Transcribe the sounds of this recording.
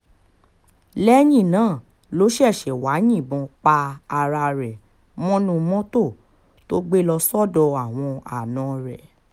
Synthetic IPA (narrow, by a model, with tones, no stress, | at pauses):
lɛ˦jĩ˦˨nãː˨˦˨ | lo˨˦ʃɛ˦˨ʃɛ˨wa˨˦jĩ˦˨bɔ̃˧k͡pa˧a˧ɾa˧ɾɛ˨ | mɔ̃˦nũ˧mɔ̃˦to˦˨ | to˦ɡ͡be˦lɔ˧sɔ˦˨dɔ˧a˨w̃ɔ̃˧a̰˨nã˨ɾɛ˨